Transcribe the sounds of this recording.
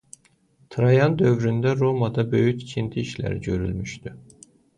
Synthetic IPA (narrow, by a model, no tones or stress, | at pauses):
t̪ʰɾɑjɑnd̪ø̞vɾynd̪æɾo̞mɑd̪ɑbø̞jyct͡ʃʰind̪ʰiːʃlæ̰ɾiɟøɾy̰lmyʃt̪y